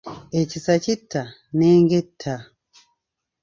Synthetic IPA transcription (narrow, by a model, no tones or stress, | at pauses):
ecisacitʰːa | neːŋɡetʰːa